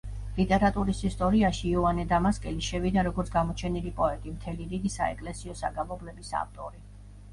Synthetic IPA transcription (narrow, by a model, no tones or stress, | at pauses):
lit̪ʼɛɾat̪ʼuɾisist̪ʼɔɾiaʃiɔanɛd̪amaskʼɛliʃɛvid̪aɾɔɡɔɾt̪sʰɡamɔt͡ʃʰɛnilipʼɔɛt̪ʼimt̪ʰɛliɾiɡisa̰ɛkʼlɛsiɔsa̰ɡalɔblɛbisa̰ft̪ʼɔɾi